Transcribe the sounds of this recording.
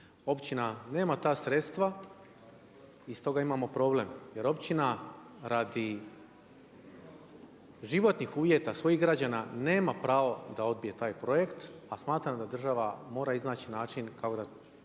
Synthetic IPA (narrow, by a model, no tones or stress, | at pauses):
o̞pt͡ɕinane̞ːmat̪aːsɾe̞t̪st̪ʋa | ist̪o̞ɡaimaːmo̞pɾo̞ːble̞mje̞ɾo̞pt͡ɕina | ɾad̪i | ʒiʋo̞t̪nixuːʋje̞t̪asʋo̞jiɣɡɾad͡ʑanane̞ːmapɾaːʋo̞d̪ao̞d̪̚bije̞t̪aːjpɾo̞je̞kt̪asmaːt̪ɾamd̪ad̪r̩ʒaʋamo̞ːɾaiznaːt͡ɕinaːt͡ʃinkakod̪a